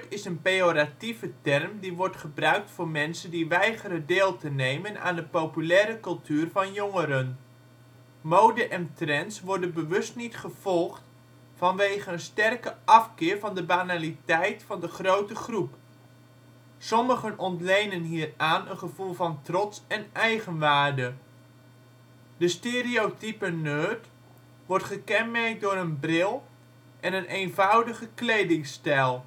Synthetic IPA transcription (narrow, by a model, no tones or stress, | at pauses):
tɪsənpejoɾativətɛrmdiʋɔɹtχəbrœɥk̚tfʊːɹmɛnsəndiʋɛjχəɾədeːlˠtənejməna̰ːndəpowpylɛːɾəkɵlˠtyːrvɑnjɔŋəɾən | mowdəʔɛntrɛnsʋɔɹdənbəʋɵstnitχəv̥ɔlˠχt | fɑnʋejχənənstɛrkəʔɑfkɪːɹvɑndəbanalitɛjtfɑndəχrowtəχrup | sɔməχənɔntlejnənɦiːəraːnənχəv̥ulˠvɑntrɔtsɛnɛjχənʋaːrdə | d̥əsteːriowtipənøːt | ʋɔrtχəkɛnmɛrk̚dʊːɾənbrɪlˠ | ʔɛnənejnvɑwdəχəklejdɪŋstɛlˠ